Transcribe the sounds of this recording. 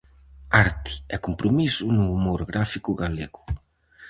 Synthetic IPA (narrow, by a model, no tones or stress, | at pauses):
aɾt̪i̥ɛkumpɾumisunuːmoɾɡɾafikuɣaleɣu